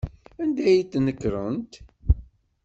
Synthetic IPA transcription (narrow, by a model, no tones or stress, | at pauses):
ænd̪æjit̪ːnəkːɾˤənt̪